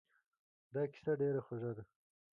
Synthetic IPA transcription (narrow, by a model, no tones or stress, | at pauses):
d̪ɑki̥saɖeɾaxoʒad̪a